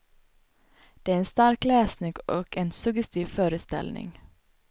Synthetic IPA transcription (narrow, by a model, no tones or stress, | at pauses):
d̪̥eːæɾeːnst̪ɑɾkleːsnɪɡʔoːɡeːnsʉɡəst̪iːʋføːɾəst̪ɪ̰lnɪ̰ŋ